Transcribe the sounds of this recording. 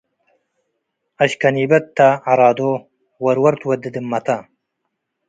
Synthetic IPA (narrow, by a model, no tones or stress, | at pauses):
ɐɕkɐniːbɐt̪ːaaɾɑːd̪o | wɐɾwɐɾt̪wɐd̪ɨd̪ɨmːɐt̪ʰa